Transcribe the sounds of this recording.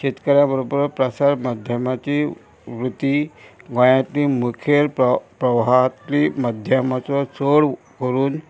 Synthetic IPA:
ɕet̪kəɾjabəɾubəɾpɾəsaɾmad̪ʱjəmat͡ɕi | ʋɾut̪iɡɔ̃jãt̪liːmukʰjeɾpɾəʋɦat̪liːməd̪ʱjəmat͡sɔt͡soɽ | kəɾuːn

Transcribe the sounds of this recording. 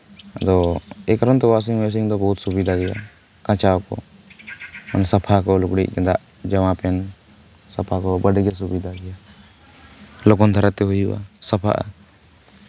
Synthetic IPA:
d̪ɔɛkɾɔnt̪ɔbas̬iŋbɛs̬iŋd̪ɔbɔɦut̪̚subid̪ʱaɡɛja̰ | kãt͡ʃaɔkɔ̰ | ɔnsapʰakɔlukɽiʔ̚ˀd͡ʒɛd̪aʔ | d͡ʒamãpɛn | sapʰakɔbəɖɛɡɛsubid̪ʱaɡɛja | lɔkɔnd̪ʱaɾat̪ɛɦujua̰səpʰa̰ʔa̰

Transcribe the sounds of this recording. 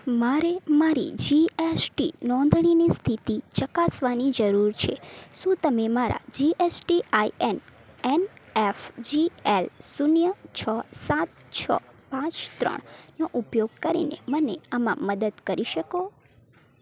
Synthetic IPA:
maɾemaɾḭd͡ʒiesʈinɔ̃nd̪ʱɳ̃inist̪ʰit̪ʰit͡ʃəkasʋanid͡ʒəɾuɾt͡ʃʰeʃũt̪əmemaɾa̰d͡ʒiʔesʈiaienenefd͡ʒielsunjət͡ʃʰəsat̪̚t͡ʃʰə̰pãt͡ʃt̪ɾə̰ɳ̃noʔupjoɡ̚kəɾḭnḛməneəmã̰məd̪əd̪kəɾiʃəko

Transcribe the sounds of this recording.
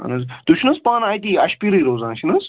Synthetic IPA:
ɐ̰nɐzt̪uʃʰnɐspaːnaːjt̪iɐʃpiɾijɾoːzãːnʃʰinɐz

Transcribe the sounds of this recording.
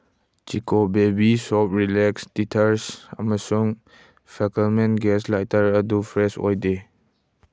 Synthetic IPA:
t͡ʃikobebisɔp̚ɾilɛkstitʰəɾsa̰məsuŋ | pʰɛkəlmenɡɛslajtəɾədupʰɾɛsɔ̰jde

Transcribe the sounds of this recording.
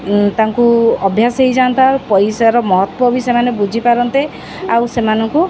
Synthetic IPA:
t̪aŋkuɔbʱjasɦejd͡ʒant̪aɾpɔjsaɾɔmɔɦɔt̪wɔbisemanebud͡ʒʱipaɾɔnt̪e | awsemanɔŋku

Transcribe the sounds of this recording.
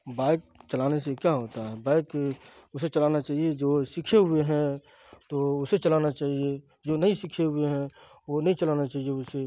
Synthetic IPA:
baːɪk̚t͡ʃɐlaːnesekjaɦoːt̪aɦɛbaːɪk | ʊset͡ʃɐlaːnat͡ʃaːɦied͡ʒoːsikʰeɦʊeɦɛ̃ | t̪oʊset͡ʃɐlaːnat͡ʃaːɦie | d͡ʒonɐɦĩsikʰeɦʊeɦɛ̃ | ʋonəɦĩt͡ʃəlaːnat͡ʃaːɦieʊse

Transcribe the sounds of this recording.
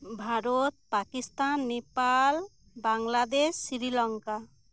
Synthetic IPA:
bʱaɾot̪̚pakist̪anːepal | baŋlad̪esːiɾilɔŋka

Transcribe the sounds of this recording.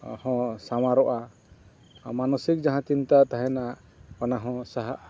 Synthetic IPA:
hɔ̃samaɾɔʔa | manɔsik̚d͡ʒaɦãt͡ʃint̪at̪aɦɛna | kanaɦɔ̃saɦaʔa

